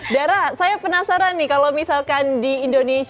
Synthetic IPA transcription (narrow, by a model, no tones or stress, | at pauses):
daɾasajapənasaɾanːikalomisalkandiindones